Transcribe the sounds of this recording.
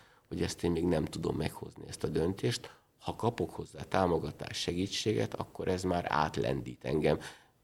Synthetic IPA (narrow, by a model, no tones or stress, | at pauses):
hoɟɛst̪eːmmeːɡnɛmt̪ud̪o̞̰mːɛkho̞̰zniɛst̪ɒd̪ønt̪eːʃt̪ | hɒkɒpo̞kho̞zːaːt̪aːmo̞ɡɒt̪a̰ːʃʃɛɡiːt͡ʃːeːɡɛ̰t̪ɒ̰kːo̞ɾʔɛzmaːɾa̰ːt̪lɛ̰nd̪iːt̪ɛŋɡɛm